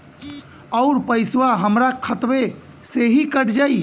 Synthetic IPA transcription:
ɔʊɾpəɪswaɦəmɾakʰət̪we | seɦikəʈd͡ʒaːi

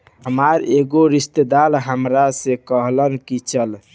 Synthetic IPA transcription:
ɦəmaɾeɡoɾist̪ed̪alɦəmɾasẽkəɦlənkit͡ʃʰəl

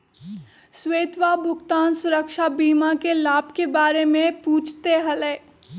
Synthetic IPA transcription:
sweːt̪ʋabʱʊɡt̪aːnsʊɾəkʃabiːmakelaːbkebaːɾemẽpuːt͡ʃʰt̪eɦɐleː

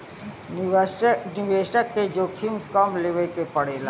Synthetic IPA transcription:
nɪʋeːʃəkːed͡ʒoːkʰimkəmleʋekepəɽeːla̰ː

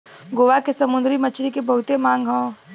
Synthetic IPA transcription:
ɡoːʋakesɐmʊ̃nd̪ɾimɐt͡ʃʰɾikebɐɦʊt̪emãːŋɡɦõː

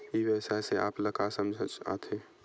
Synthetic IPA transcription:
iʋɛːsaseʔa̰ːpləkasəmd͡ʒʱət͡ʃa̰t̪ʰe

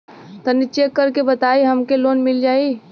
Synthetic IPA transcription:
t̪ɐnɪt͡ʃeːkːɐɾkebɐt̪aːiɦɐmkeloːnmɪld͡ʒaːi

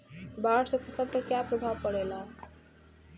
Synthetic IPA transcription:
baɽsəb̚kasʌb̚kakjapɾəbʱaʋpəɽelã

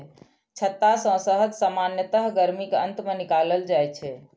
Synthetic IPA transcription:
t͡ʃʰət̪ːasə̃səɦəd̪səmanjət̪əɦɡəɾmikənt̪menikaləld͡ʒajt͡ʃʰɛ

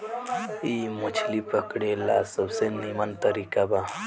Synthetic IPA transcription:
imot͡ʃʰlipəkɽela̰səbsenimant̪əɾikaba

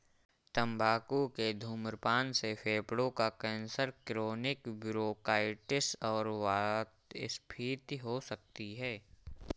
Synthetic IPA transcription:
t̪ə̃mbʱaːkuked̪ʱuːmɾpaːnsepʰeːpɽõkakɛ̃ːnsəɾkɾoːnɪkbʊɾoːkaːɪʈɪsɔːɾʋaːt̪ɪspʰiːt̪ɦosək̚t̪iɦɛː

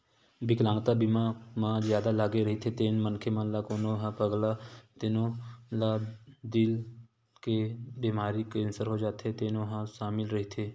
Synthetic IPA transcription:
bɪklãːŋɡt̪abimamãzjaːd̪alaːɡeɾəɦit̪ʰet̪eːnmənkʰemãlakoːnoɦãpəɡlat̪eːnõlad̪ɪl | kebiːmaːɾikensəɾɦod͡ʒaːt̪et̪eːnoɦãʃaːmɪlɾɐɦit̪ʰeː

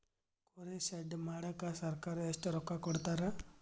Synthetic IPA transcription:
kɔɾesɛɖmaɽakasəɾkaɾesʈəɾɔkːakɔɽt̪aɾa

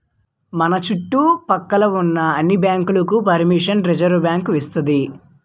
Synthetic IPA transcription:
mɐnɐt͡ʃuʈːupɐkːɐlɐunːɐːnːibjaːŋkulɐkupɐɾmiʂɐnɾed͡ʒɐɾʋɐbjaːŋkʋist̪und̪i

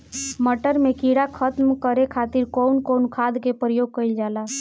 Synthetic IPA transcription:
məʈəɾmekiɽakʰət̪mkəɾekʰat̪iɾkownkownkʰad̪kepɾəjoɡ̚kəjld͡ʒala

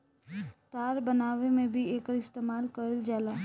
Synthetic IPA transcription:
t̪aːɾbənaːʋemẽbʱieːkəɾɪst̪eːmaːlkəld͡ʒaːlaː

